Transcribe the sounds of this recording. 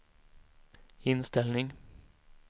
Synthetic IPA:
ɪnst̪ɛlnɪŋ

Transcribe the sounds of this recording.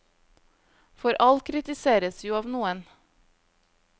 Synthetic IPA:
fɔɾʔɑlkʰɾɪt̪ɪseːɾəsjuːɑːʋnuːən

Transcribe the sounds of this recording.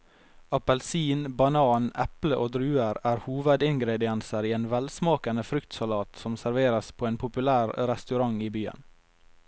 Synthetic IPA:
ɑpɛlsiːnbɑnɑːnʔɛpləʔoːd̪ɾʉːəɾæːɾhuːʋəd̪ɪnɡɾeːd̪ɪɑnsəɾiːeːnʋɛlsmɑːkɑnəfɾʏkt̪sɑlɑːt̪sɔmsæɾʋeːɾɑspʰoːeːnpʰʊpʉlæːɾɾɛst̪ʉɾɑŋiːbyːə̰n

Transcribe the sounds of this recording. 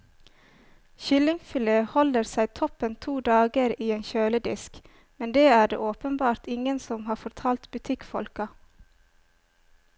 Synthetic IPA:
çʏlɪŋfʏləhɔləɾsæɪt̪ʰɔpənt̪ʰuːd̪ɑːɡəɾiːeːnçøːləd̪ɪ̰sk | mɛnd̪eːæːɖḛːʔoːpənbɑːɾt̪ɪŋənsɔmhɑːfɔɾt̪ʰɑːlt̪bʉt̪ʰɪkfɔ̰lkɑ

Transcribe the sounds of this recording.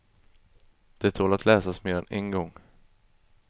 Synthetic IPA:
d̪̥ɛæt̪ʰoːlat̪ʰlɛːsasmeɾanʔɛnɡɔŋ

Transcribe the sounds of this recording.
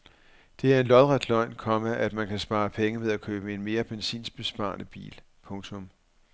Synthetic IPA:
d̥e̝æɐe̝nlɒðˠʁad̥lɒɪ̰nkʰɒ̽məʔæd̥mænkʰæsb̥ɑ̈ːpʰeŋəmeðˠækʰøːb̥əe̝nme̝ːɐb̥ensḭːnsb̥e̝sb̥ɑ̰̈ːnəb̥ḭːl | pʰɔ̽ŋt͡sʰɔ̽m

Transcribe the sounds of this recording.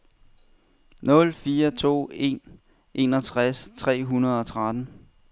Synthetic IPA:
nɔ̽lfiːɐt͡sʰo̝̰ːe̝̰n | ʔe̝nɒt͡sʰʁast͡sʰʁɛ̰ːɦunɐð̞ˠɒ̽t͡sʰʁad̥n̩

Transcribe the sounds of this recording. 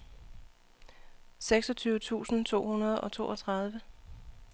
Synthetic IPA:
seɡ̥sɒ̽t͡sʰyːʊət͡sʰṵːsn̩t͡sʰo̝̰ːɦunɐð̞ˠɒ̽t͡sʰo̝̰ːʔɒt͡sʰʁɑ̈ð̞ˠʋə

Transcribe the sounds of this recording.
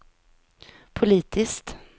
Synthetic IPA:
pʰʊliːt̪ʰɪskt̪

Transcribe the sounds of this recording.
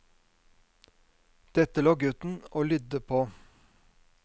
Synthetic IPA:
d̪̥ɛt̪əloːɡʉt̪n̩oːlʏd̪əpʰoː

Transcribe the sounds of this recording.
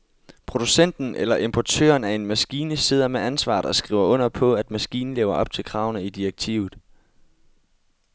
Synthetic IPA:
pʰʁo̝d̥usen̰d̥n̩ʔelɐʔe̝mpʰɒt͡sʰø̰ːɐnæe̝nmæsɡ̥iːnəse̝ð̞̰ˠɐmeʔænsʋɑ̰̈ːdˠɒ̽sɡ̥ʁḭʊɐʔɔ̽n̰ɐpʰɒ̽æd̥mæsɡ̥iːnn̩le̝ːʊɐʔɒ̽b̥̚t͡sʰe̝lkʰʁɑ̈ʊnəid̥iɐɡ̥̚t͡sʰḭːʊð̩ˠ

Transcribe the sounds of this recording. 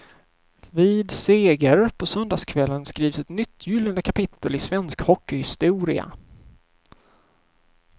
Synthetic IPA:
viːd̪seːɡəɾpʰɔsœnd̪aːskʰvɛlːənskɾiːvsɛt̪nʏt̪ʰːjʏlːənd̪əkʰapɪt̪ʰːəlɪsvɛnskhɔkːɪhɪst̪uːɾɪa̰

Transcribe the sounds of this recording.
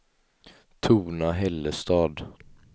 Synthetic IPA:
t̪ʰuːnaɦɛlːəst̪ɑːd̪

